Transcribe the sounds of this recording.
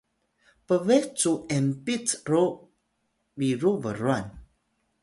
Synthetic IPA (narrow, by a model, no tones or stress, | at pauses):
pəvɛht͡suɛmpitro | biɾuvəɾuan